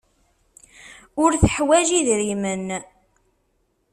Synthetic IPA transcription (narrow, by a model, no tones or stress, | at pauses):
ʊɾθəħwæʒiðɾimən